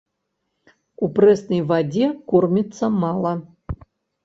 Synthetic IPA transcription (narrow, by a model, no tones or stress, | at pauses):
uprɛsnəjvadʲekormʲɪt̪sɐmɑlˠɐ